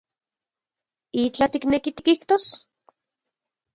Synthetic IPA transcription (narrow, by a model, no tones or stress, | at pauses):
it͡ɬat̪iknekit̪i̥kiht̪os